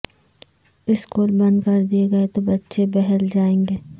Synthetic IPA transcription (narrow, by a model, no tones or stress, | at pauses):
ɪskuːlbɐ̃nd̪kɐɾd̪ieɡɐet̪obɐtːʃebɛɦɛld͡ʒaːẽːŋɡeː